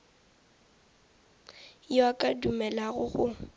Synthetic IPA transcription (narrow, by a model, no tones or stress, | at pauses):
jakʼadumɛlaɣʊɣʊ